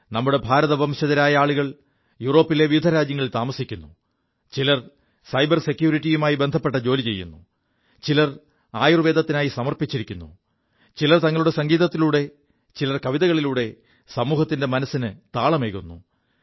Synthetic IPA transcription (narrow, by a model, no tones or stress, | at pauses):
nɐmːuɽe̞bʱaːɾɐðɐbʱɐmɕɐðɐɾaːjɐaːɭuɣɐɭ | juːro̞ːpːile̞ʋijud̪ʱɐɾaːd͡ʑjɐŋːɐɭilt̪aːmɐsikʲːunːu | t͡ɕilɐr | sɐjbɐrse̞kjuːɾiʈːijumaːjibe̞nd̪ʱɐpːe̞ʈ̬ːɐd͡ʑo̞ːlit͡ɕe̞jːṵnːu | t͡ɕilɐr | aːjurʋe̞ːd̪ʱɐt̪ːinaːjisɐmɐrpit͡ɕːiɾikʲːunːu | t͡ɕilɐrt̪ɐŋːɐɭuɽe̞sɐŋɡiːðɐt̪ːiluːɽe̞ | t͡ɕilɐrkɐʋiðɐɣɐɭiluːɽe̞ | sɐmuːɦɐt̪ːinde̞mɐnɐsːinɨt̪aːɭɐmeːɣunːṵ